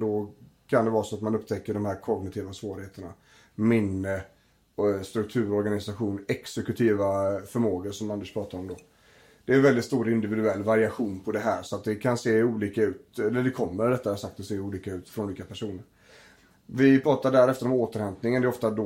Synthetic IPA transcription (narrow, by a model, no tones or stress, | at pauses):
d̪ɔkʰand̪ɛvɑːɾsɔat̪manɵpːt̪ʰɛkːəɖɔmhæːɾkʰɔɡ̚nɪt̪ʰiːvasvoːɾɪheːt̪əɳa | mɪnːə | st̪ɾɵk̚t̪ʰʉ̟ːɾɔɾɡanɪsaɧuːnɛksɛkɵt̪ʰiːvafœɾmoːɡənʂɔmand̪əʂpʰɾɑːt̪aɾɔmd̪ɔ | d̪̥ɛːɛnvɛld̪ɪt̪st̪uːɾɪnd̪ɪvɪd̪ɵɛlːvaɾɪaɧuːnpʰɔd̪ɛɦæːɾʂɔat̪̚d̪ɛkʰanseːuːliːkaʉ̟ːt̪ɛlːəɖ̪ɛkʰɔmːəɾɖɛt̪ːadasakt̪̚d̪ɛseːuːliːkaʉ̟ːt̪fɾɔnuːliːkapʰæʂuːnəɾ | vɪpʰɾɑːt̪aɖæːɾɛft̪əɾɔmoːt̪əɾhɛnt̪nɪŋənd̪ɛɾɔft̪ad̪ɔ